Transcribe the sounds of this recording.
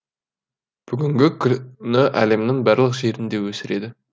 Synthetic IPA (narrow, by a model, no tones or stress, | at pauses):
b̥ʏɡʲɪŋɡʲɪkʲʰʏnɪʔæ̰le̞mnɪŋbæɾlˠəqʒe̞ɾɪnd̪e̞wɵsɪɾe̞d̪ɪ